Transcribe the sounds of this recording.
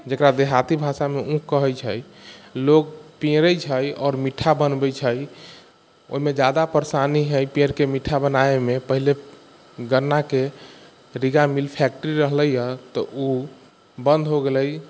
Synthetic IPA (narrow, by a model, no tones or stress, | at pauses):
d͡ʒəkɾad̪eɦat̪ibʱasameʔũkːəɦəjt͡ʃʰəjlokpẽɾəjt͡ʃʰəjɔːɾmiʈʰːabənbəjt͡ʃʰəj | o̰ɦimed͡ʒad̪apəɾsaniɦəjpẽɾkemiʈʰːabənaemepəɦile | ɡəɾnːake | ɾiɡamilpʰɛk̚ʈəɾiɾəɦləjət̪ɔʔu | bənd̪ʱɦoɡeləj